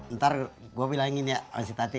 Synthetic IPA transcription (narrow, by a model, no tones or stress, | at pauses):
nt̪arɡuabilaiŋiniaa̰nsit̪at̪i